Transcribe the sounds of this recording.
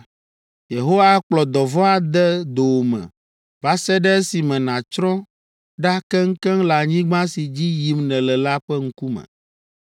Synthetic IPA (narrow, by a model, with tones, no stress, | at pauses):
je˨ɦo˦wa˦k͡plɔ˨d̪ɔ˨vɔ˦a˨d̪ɛ˦d̪o˨wo˨mɛ̰̃˨ | va˦sɛ˦ɖɛ˦e˦si˨mɛ̃˨nã˨t͡ʃɾɔ̃˦ | ɖa˦kɛ˦ŋ̩˦kɛ˦ŋ˦la˨ɲĩ˦ɡ͡bã˦si˨d͡ʑi˦ji˨mnɛ̃˨lɛ˨la˦ɸɛ˦ŋ̩˦ku˦mɛ̰̃˨